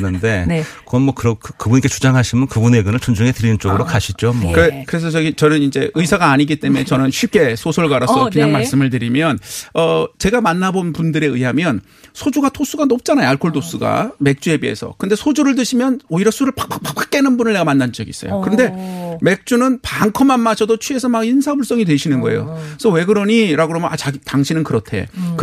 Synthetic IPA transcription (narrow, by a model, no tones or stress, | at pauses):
nɯnde̞kʌnmʌkɯɾʌkʰkɯbunɲik͈e̞t͡ɕu̥d͡ʑaŋɦaɕʰimjʌnkɯbuneɡɯnɯɭt͡ɕʰond͡ʑuŋe̞tɯɾinɯnt͡ɕ͈oɡɯɾokaɕʰid͡ʑomkɯɾekɯɾe̞s̬ʰʌt͡ɕʌɡit͡ɕʌnɯnind͡ʑe̞ʔɯisʰaɡaːɲiɡit͈e̞mue̞t͡ɕʌnɯnɕʰip̚k͈e̞sʰosʰʌɭɡaɾassʌkiɲaŋmas͈ɯmɯɭt̬ɯɾimjʌnʌt͡ɕe̞ɡamanːabonpundɯɾe̞ɯiɦamjʌn | sʰod͡ʑuɡatʰos͈uɡanop̚t͡ɕ͈anajoaɭkʰoɭdos͈uɡa̰me̞k̚t͡ɕ͈ue̞biḛsʰʌ̰kɯnde̞sʰod͡ʑuɾɯɭt̬ɯɕʰimjʌnoiɾʌsʰuɾɯɭpḁk̚p͈ḁk̚pḁk̚p͈ak̚k͈enɯnbunɯɭne̞ɡamanːand͡ʑʌɡḭs͈ʌjo̰kɯɾʌnde̞me̞k̚t͡ɕ͈unɯnpaŋkʰʌmanmaɕʰʌdot͡ɕʰwie̞sʰʌmaɡinsʰabuɭs͈ʌŋitwe̞ɕʰinɯnɡʌe̞̰jo̰sʰʌwe̞ɡɯɾʌɲiɾaɡoɾomanat͡ɕaitaŋɕʰinɯnkɯɾʌtʰe̞̰k